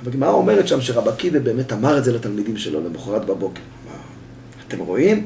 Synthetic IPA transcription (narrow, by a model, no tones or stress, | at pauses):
vaɡmaaome̞ʁet̪ʃamʃeʁabakivebeːmetamaʁetzelat̪almidimʃelo̞̰lemeχoʁatbabo̞keʁma̰ː | t̪e̞mʁo̞im